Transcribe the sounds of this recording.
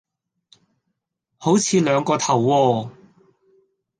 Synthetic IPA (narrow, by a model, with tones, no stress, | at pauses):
ho˨˥wt͡sʰiː˨˧lœː˨˧ŋkɔː˧t̪ʰɐ˨˩wːɔː˧